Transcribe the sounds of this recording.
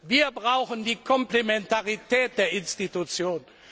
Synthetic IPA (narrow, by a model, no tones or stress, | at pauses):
viːɐbʁaʊxəndiːkʰɔmplemɛntaʁitɛːt̚d̥eːɐɪnstitut͡sjoːn